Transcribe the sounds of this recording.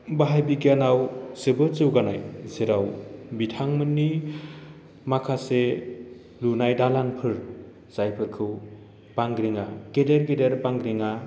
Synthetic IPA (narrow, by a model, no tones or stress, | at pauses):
baɦajbiɡijanawsɯbɯt͡ʃɯwɡanajzeɾawbitʰaŋmɯnːi | makʰase | lunajdalanpʰɯɾ | z̥ajpʰɯɾkʰɯw | paŋɡɾiŋakedeɾkedeɾpaŋɡɾiŋa